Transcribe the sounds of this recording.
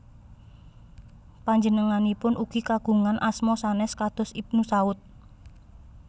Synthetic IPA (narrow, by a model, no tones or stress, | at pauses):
paɲd͡ʒənəŋanipʊnʔuɡ̥ikaɡ̥ṳŋanʔasmɔsanɛskad̪̥ɔ̤sip̚nusaʊt̪̚